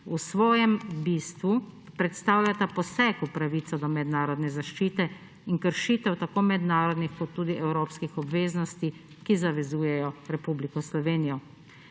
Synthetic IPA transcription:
usʋɔːjɛmbiːst̪ʋu | pɾɛt̪st̪aːwʎʲat̪apɔsɛkupɾaʋiːt̪sɔd̪ɔmɛd̪naːɾɔd̪nɛzaʃt͡ʃiːt̪ɛ | iŋkəɾʃiːt̪ɛwt̪akoːmɛd̪naːɾɔd̪nixkɔt̪ːuːd̪iʔɛwɾoːpskixɔbʋeːznɔst̪i | kizaʋɛzuːjɛjɔɾɛpublikɔslɔʋeːnijɔ

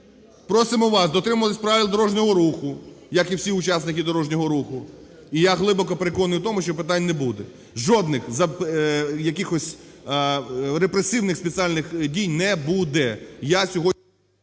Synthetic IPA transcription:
pɾɔsɪmʊʋɑsd̪ɔt̪ɾɪmʊʋɐt̪ɪsʲpɾɑʋʲilˠd̪ɔɾɔʒnʲɔɦɔɾuxʊ | jɐkiwsʲiʊt͡ʃasnɪkʲid̪ɔɾɔʒnʲɔɦɔɾuxʊ | ijaɦlˠɪbɔkɔpeɾekɔnjuwt̪ɔmʊʃt͡ʃɔpɪt̪anʲnɛbud̪ɛ | ʒɔd̪nɪxzɐ | jɐkʲɪxɔsʲ | ɾepɾesɪwnɪxspet͡s̪ʲialʲnɪxdʲijnɛbud̪ɛjasʲɔɦɔ

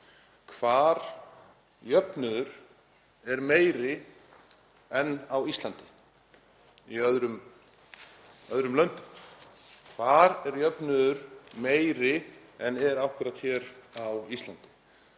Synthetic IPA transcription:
kʰvaːɾ̥ | jœpnʏðʏɾ̥ | ɛɾmeːjɾɪ | ɛnːawist̪lant̪ɪ̥ | iœðɾʏm | œðɾʏmlœnt̪ʏm | kʰv̥aːɾɛɾjœpnʏðʏɾ̥meːjɾɪɛnɛɾawhkʏɾat̪çɛːɾawist̪lant̪ɪ̥

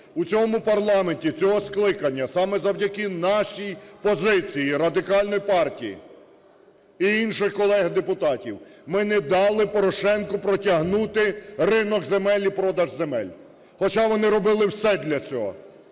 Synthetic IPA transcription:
ut͡sʲɔmʊpɐrlˠɑmenʲtʲit͡sʲɔɦɔsklˠɪkɐnʲːɐsɑmɛzɐwdʲɐkɪnɑʃijpɔzɪt͡sʲijiɾɐd̪ɪkɑlʲnɔjipɑrtʲijḭ | iinʃɪxkɔlˠɛɦd̪epʊt̪ɑtʲiwmɪnɛd̪ɑlˠɪpɔɾɔʃɛnkʊpɾɔtʲɐɦnut̪ɪrɪnɔkzemɛlʲipɾɔd̪ɐʒzemɛ̰lʲ | xɔt͡ʃɑʋɔnɪɾɔbɪlˠɪwsɛd̪ʲlʲɐt͡sʲɔ̰ɦɔ̰

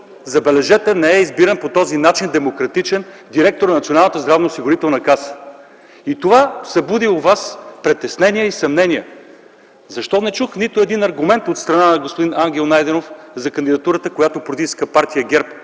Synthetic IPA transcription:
zɐbɛlɛʒɛt̪ənɛɛizbiɾənpot̪ɔzinat͡ʃind̪ɛmokɾɐt̪it͡ʃɛn | d̪iɾɛk̚t̪oɾnɐnt̪ʲionalˠnət̪əzd̪ɾavnɐosiɡʊɾit̪ɛlˠnɐkasə̥ | it̪ovasɐbud̪iʊvaspɾɛt̪ɛsnɛniɛisɐmnɛniɛ | zɐʃt̪ɔnɛt͡ʃuxnit̪ʊɛd̪inɐɾɡʊmɛnt̪ot̪st̪ɾɐnanɐɡospod̪inaŋɡʲɛlˠnajd̪ɛnofzɐkɐnd̪id̪ɐt̪uɾət̪əkojat̪opɾt̪iʃskəpaɾt̪ijəɡɛɾp

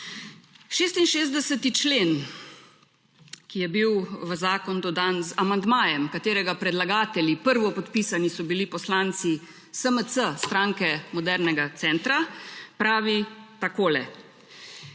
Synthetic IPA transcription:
ʃeːst̪inʃeːzd̪ɛsət̪it͡ʃleːn | kijɛbiwʋəzaːkɔnd̪ɔd̪aːnzamand̪maːjɛmkat̪eːɾɛɡapɾɛd̪laɡaːt̪ɛlipəɾʋɔpɔt̪pisanisɔbilipɔslaːnt̪si | səmət̪səst̪ɾaːŋkɛmɔd̪ɛɾnɛɡat̪sɛːnt̪ɾapɾaːʋit̪akoːlɛ

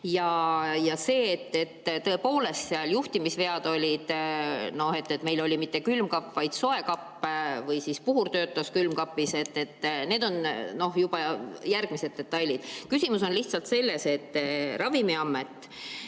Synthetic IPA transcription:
jɑjɑse̞ːt̪ːe̞t̪ːt̪ɤ̞epo̞ːle̞st̪seɑljuht̪imisve̞ɑd̪̥o̞lʲid̪̥no̞he̞t̪ːet̪me̞jlolʲimit̪ˑːe̞kylmkɑpːvɑjd̪̥so̞e̞kɑpːvɯjsispuɦurt̪ø̞ːt̪ːˑɑskylmkɑpːise̞t̪ːe̞t̪ːne̞ːd̪o̞nno̞hjub̥ɑjærɡ̥mise̞d̪̥̚e̞t̪ːɑjlʲid̪̥kysʲimuso̞nliht̪sɑlt̪se̞lːe̞se̞t̪ːrɑvimiɑmːe̞t̪ːˑ

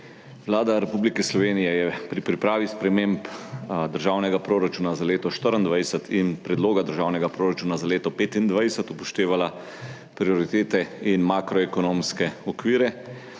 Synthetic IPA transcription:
ʋlaːd̪aɾɛpuːblikɛslɔʋeːnijɛjɛpɾipɾipɾaːʋispɾɛmempd̪əɾʒaːwnɛɡapɾoːɾat͡ʃuːnazaleːt̪ɔʃt̪əɾənd̪ʋajsət̪ʰinpɾɛd̪loːɡad̪əɾʒaːwnɛɡapɾoːɾat͡ʃuːnazaleːt̪ɔpeːt̪ind̪ʋajsət̪upɔʃt̪eːʋala | pɾiɔɾit̪eːt̪ɛinmakɾɔɛkɔnoːmskɛɔkʋiːɾɛ

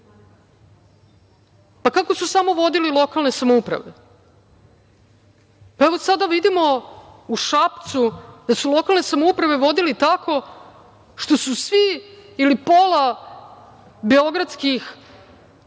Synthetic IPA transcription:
pakako̞susamo̞ʋo̞d̪ililˠo̞kalˠne̞samoupɾa̰ʋe̞ | paeʋo̞sad̪aʋid̪imo̞uʃapt̪sud̪asulo̞kalˠne̞samoupɾaʋe̞ʋo̞d̪ilit̪akʰo̞ | ʃt̪o̞susʋiːlipola | beo̞ɡɾat̪skix

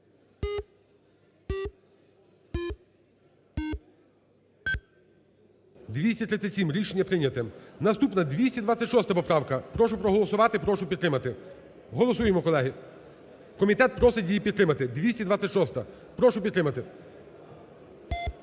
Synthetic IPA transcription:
d̪ʋʲisʲtʲɐt̪ɾɪt͡s̪ʲːɐtʲsʲimɾʲiʃenʲːɐpɾɪnʲɐt̪ɛnɐst̪upnɐd̪ʋʲisʲtʲid̪ʋɑt͡sʲɐtʲʃɔst̪ɐpɔpɾɑwkɐpɾɔʃʊpɾɔɦɔlˠɔsʊʋɑt̪ɪpɾɔʃʊpʲit̪ːɾɪmɐt̪ɪ | ɦɔlˠɔsujemɔkɔlˠɛɦɪ | kɔmʲit̪ɛt̪̚pɾɔsɛdʲijipʲid̪t̪ɾɪmɐt̪ɪd̪ʋʲisʲtʲid̪ʋɑt͡sʲɐtʲʃɔst̪ɐ | pɾɔʃʊpʲd̪ɾɪmɐt̪ɪ

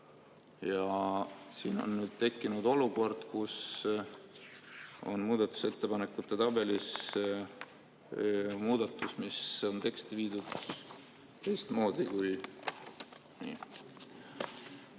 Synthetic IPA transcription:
jɑsiːno̞̰nːnyːd̪̥̚t̪e̞kːˑinud̪̥o̞luko̞rd̪̥kus | o̞̰nmuːd̪̥ɑt̪ːˑu̥se̞t̪ːe̞pɑnekːˑut̪ˑːe̞t̪ɑb̥e̞lis | muːd̪̥ɑt̪ːˑusmiso̞nt̪e̞kst̪iviːd̪̥ud̪̥ | t̪e̞jst̪mo̞ːd̪̥ikuj | nḭ

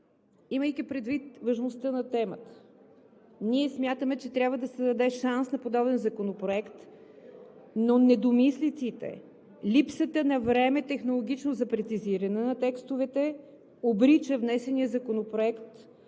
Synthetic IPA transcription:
iməjk̟ipɾɛd̪vit̪vɐʒmost̪ənɐt̪ɛmət̪ə̥ | niɛsmʲjat̪əmɛt͡ʃɛt̪ɾʲjabvəd̪ɐsɛd̪ɐd̪ɛʃansnɐpod̪ɔbɛnzɐkonopɾoɛkt̪ | nonɛd̪omislit̪sit̪ɛ̰ | lʲipsət̪ənɐvɾɛmɛt̪ɛxnolˠoɡ̟ʲit͡ʃnozɐpɾɛt̪siziɾɐnɛnɐt̪ɛkst̪ovɛt̪ɛ | obɾit͡ʃəvnɛsɛnijəzɐkonopɾoɛkt̪

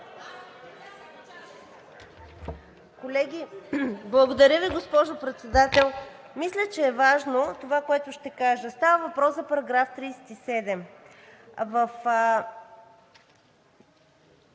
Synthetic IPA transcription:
kolɛɡʲiblˠɐɡod̪ɐɾʲjəviɡospɔʒopɾɛt̪sɛd̪at̪ɛlˠ | mislʲət͡ʃɛːvaʒnot̪ovakoɛt̪ʊʃt̪ɛkaʒəst̪avəvɐpɾɔszɐpɐɾɐɡɾaft̪ɾiːsɛ̥t̪isɛd̪ɛm | vəf

